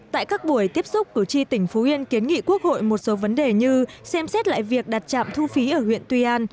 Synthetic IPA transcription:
t̪a̰ː˧˨jkaː˦˥k̚ɓu˧˩əjt̪i˦˥əp̚sʊ˦˥k͡p̚kɨ˧˩t͡ɕi˧t̪ï˧˩ŋ̟fu˨˦ʔi˧ənki˨˦ənŋḭ˧˨ku˦˥ək̚ho̰˧˨jmo˨˩t̚so˨˦və˨˦nɗe˨˩ɲɨ˧sɛ˧msɛ˦˥t̚la̰ː˧˨jvi˨˩ək̚ɗa˨˩t̚t͡ɕa̰ː˧˨mt̪ʰu˧fi˨˦ʔəː˧˩hwḭ˧˨ənt̪wi˧ʔaː˧n

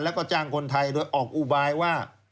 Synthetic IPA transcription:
lɛ˦˥wkɔː˥˩t͡ɕaː˧ŋkʰo˧nt̪ʰa˧jdoː˧jʔɔː˨˩k̚ʔu˨˩baː˧jwaː˥˩

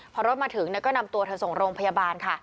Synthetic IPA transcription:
pʰɔː˧ɾo˦˥t̪̚maː˧t̪ʰɯ˩˦ŋnɛ˦˥kɔː˥˩na˧mt̪u˧ət̪ʰa˧nso˨˩ŋɾoː˧ŋpʰa˧jaː˧baː˧nkʰa˥˩

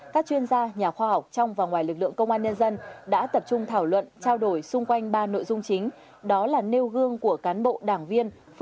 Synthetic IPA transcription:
kaː˦˥k̚t͡ɕwi˧ənzaː˧ɲaː˨˩xwaː˧ha˨˩wk͡p̚t͡ɕɔ˧wŋ͡mvaː˨˩ŋwaː˨˩jlɨ˨˩k̚lɨ̰˧˨əŋkə˧wŋ͡mʔaː˧nɲə˧nzə˧nɗa̰ː˧˥t̪ə˨˩p̚t͡ɕʊ˧ŋ͡mt̪ʰaː˧˩wlwə̰˧˨nt͡ɕaː˧wɗo˧˩jsʊ˧ŋ͡mkwa˧jŋ̟ɓaː˧no̰˧˨jzʊ˧ŋ͡mt͡ɕï˨˦ŋ̟ | ɗɔ˨˦laː˨˩ne˧wɣɨ˧əŋku˧˩əkaː˨˦nɓo̰˧˨ɗaː˧˩ŋvi˧ən

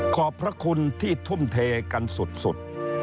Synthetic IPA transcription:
kʰɔː˨˩pʰːɾa˦˥kʰu˧nt̪ʰiː˥˩t̪ʰu˥˩mt̪ʰeː˧ka˧nsu˨˩t̪̚sṵ˨˩t̪̚

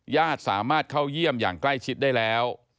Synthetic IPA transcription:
jaː˥˩t̪̚saː˩˦maː˥˩t̪̚kʰa˥˩wji˥˩əmja̰ː˨˩ŋkla˥˩jt͡ɕʰi˦˥t̪̚daː˥˩jlɛː˦˥w

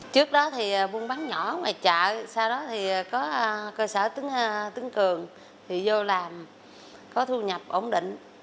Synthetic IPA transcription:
t͡ɕɨ˦˥ək̚ɗɔ˨˦t̪ʰi˨˩˨ɓu˧ənɓaː˨˦ŋɲɔ˧˩˦maː˨˩t͡ɕa̰ː˧˨saː˧wɗɔ˨˦t̪ʰi˨˩˨kɔ˨˦kəː˧səː˧˩t̪ɨ˨˦ŋ˧t̪ɨ˨˦əŋkɨ˨˩əŋ | t̪ʰi˨˩zo˧laː˨˩m | kɔ˨˦t̪ʰu˧ɲə˨˩p̚ʔo˧˩wŋ͡mɗḭ˧˨ŋ̟

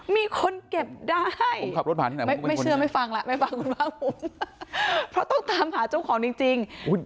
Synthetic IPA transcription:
miː˧kʰo˧nke˨˩p̚daː˥˩a˥˩jkʰa˨˩ɾt̚baː˨˩t̪ʰi˥˩˨ma˥˩˧a˥˩˧sɯ˥˩ɐma˥˩jfa˧ŋlɛ˧˦ʔma˥˩jfa˧ŋkʰu˧nbaː˥˩ŋpʰo˨˦m | pʰɾɔ˦˥t̪ɔ˥˩ŋt̪aː˨˦mɦaː˩˦t͡ɕa˥˩wkʰɔː˩˦ŋt͡ɕi˧ŋt͡ɕi˧ŋʔu˦˥˩j

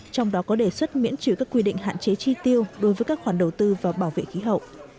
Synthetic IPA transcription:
t͡ɕɔ˧wŋ͡mɗɔ˨˦kɔ˨˦ɗe˧˩swə˦˥t̚mḭ˧˥ənt͡ɕi˧˩kaː˦˥kːwi˧ɗḭ̈˧˨ŋ̟ɦa̰ː˧˨nt͡ɕe˨˦t͡ɕi˧t̪i˧əwɗo˨˦jvəː˨˦jkaː˦˥k̚xwaː˧˩nɗə˨˩wt̪ɨ˧vaː˨˩ɓaː˧˩wvḛ˧˨xi˨˦ɦə̰˧˨wʔ

